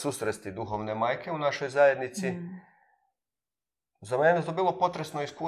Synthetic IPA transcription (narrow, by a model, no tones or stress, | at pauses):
susɾest̪id̪uxoʋnemajke̞unaʃo̞jzaje̞d̪nit̪si | zamenet̪obiːlˠo̞po̞t̪ɾesnoisku